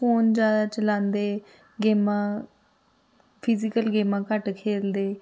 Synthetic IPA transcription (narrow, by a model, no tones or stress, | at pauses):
oːnd͡ʒjaːd̪aːt͡ʃəlãːnd̪eː | ɡeːmãː | pʰɪzɪkəlɡeːmãːkəʈkʰeːld̪eː